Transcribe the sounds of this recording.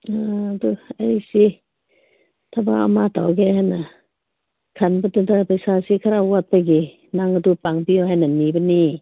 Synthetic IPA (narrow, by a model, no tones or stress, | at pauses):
aduajsi | tʰabaa̰matʰawɡeɦajna | kʰanbɐdɯdaɾapajsasikʰaɾawat̚paɡi | naŋadupaŋbiɔɦajnanibɐni